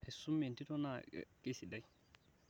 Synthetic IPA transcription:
hɛ˨sːʊ˦mːɛ˨nt̪i˦t̪ɔ˦na̰˦˨kʼi˦si˨dɐ˨j

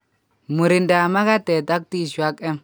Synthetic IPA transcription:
mʊ˨ɾɪ˨nda˨ma˦ɡa˦t̪ɛ˨t̪a˦k̚t̪i˦˨ʃwa˦kʼːɛ˦

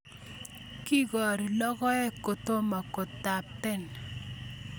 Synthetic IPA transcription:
ki˦ɡɔ˨ɾi˨lɔ˦ɣɔ˦ɛ˦ko˨t̪o˦ma˨ko˨tːa˨pɛ˦n

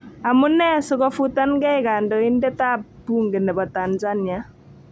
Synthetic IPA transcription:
a˨mu˦nɛ˦sɔ˦kɔ˦fu˦ta˦nkɛ˦ɪka˨ndɔ˨i˦ndɛ˦ta˦ppːu˦ŋɡe˨nɛ˨bɔ˨ta˨nza˦nja˦

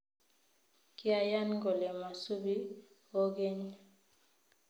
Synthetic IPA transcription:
ki˦a˨ja˦nɡo˨le˨ma˨su˦bi˦ | o˦ɡe˦ɲ

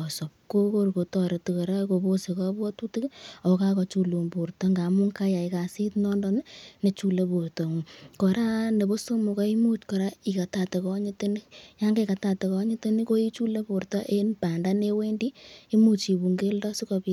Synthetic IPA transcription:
ɔ˨sɔ˨p̚ko˦ko˦ɾko˨tɔ˨ɾe˨tu˨kɔ˨ɾa˦ko˨bo˦se˨kɔ˦bɔ˦tu˦ti˦kɔ˨ka˦kɔ˨˧t͡ʃu˦lu˨mbu˨rtɔ˦ŋɡa˨mu˦ŋka˦ja˨ika˨si˦tnɔ˦ndɔ˦ne˦ne˨t͡ʃu˦le˦pu˨rtɔ˨ŋu˨kɔ˨ɾa˦ne˨bo˦so˦mu˨ka˦i˦mu˦t͡ʃkɔ˨ɾa˦i˨ka˨ta˨te˨kɔ˦ɲɪ˦te˦ni˦kja˦ŋɡe˦ka˨ta˨te˨kɔ˦ɲɪ˦te˦ni˦ko˦i˦t͡ʃu˦le˦po˨ɾtɔ˦ʔe˦npa˨nda˦ne˦we˦ndi˦i˦mu˦t͡ʃi˨bu˨ŋɡe˦ldɔ˦su˦kɔ˨pi

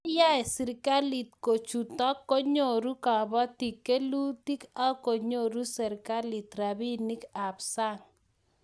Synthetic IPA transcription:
ja˦ɛ˨sɪ˨ɾka˦li˨t̪̚ko˨t͡ʃu˨tɔ˦kːo˦ɲo˦˨ɾu˦ka˨bɔ˦ti˨kːe˦lu˦ti˦ka˦ko˨ɲo˦˨ɾu˦sɛ˨ɾka˦li˨t̪ɾa˨bi˦ni˦ka˨bsa˦ŋ

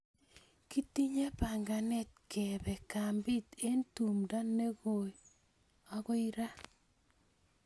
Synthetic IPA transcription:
ki˦ti˦ɲe˦pa˨ŋɡa˨nɛ˦t̚kʰɛ˨bɛ˨ka˨mbi˦te˦ntu˨mda˦nːe˦ɣo˨j | ɔ˦ɣo˦i˦ɾa˦

